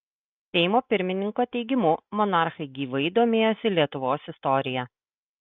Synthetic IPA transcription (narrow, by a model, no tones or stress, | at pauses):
t̪ʲɛɪmoːpʲɪɾʲmʲɪnʲɪŋkoːt̪ʲɛɪɡʲɪmʊmɔnɑˑɾxɐɪɡʲiːʋɐɪd̪oːmʲeːjoːsʲɪlʲiɛt̪ʊʋoːsɪst̪ɔɾʲɪjɛ